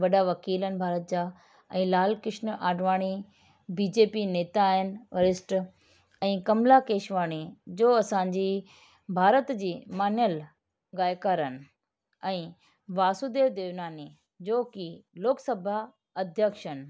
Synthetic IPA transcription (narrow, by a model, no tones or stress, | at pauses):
ʋɐɗaʋɐkiːlənɪ̆bʱaːɾət̪̚d͡ʑaː | ɛ̃ːlaːlkɪʃnʔaːɖʋaːɽ̃i | biːd͡ʑeːpineːt̪aːɦɪnɪ̆ʋɐɾɪsʈ | ɛ̃ːkɐmlakeːʃʋaːɽ̃id͡ʑoːɐsãːɲd͡ʑi | bʱaːɾət̪d͡ʑiːmaːnjəl | ɣaːjkaːɾənɪ̆ | ɛ̃ː | ʋaːsud̪eːd̪eːʋnaːni | d͡ʑoːkiloːksɐbʱa | ɐd̪ʱjəkʃənɪ̆